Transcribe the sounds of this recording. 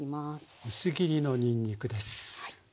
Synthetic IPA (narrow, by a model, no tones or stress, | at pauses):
imasisɨɡʲiɾʲino̞ɲʲĩɲʲːikɯ̟d̪e̞sɨ̥